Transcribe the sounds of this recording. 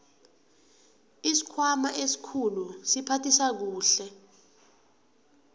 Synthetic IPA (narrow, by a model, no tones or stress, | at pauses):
isi̥kʰwamaʔesi̥kʰulusipʰatʰisak̬uːɬɛ